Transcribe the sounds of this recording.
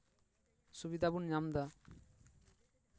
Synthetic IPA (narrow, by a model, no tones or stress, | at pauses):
subid̪abunɲamd̪a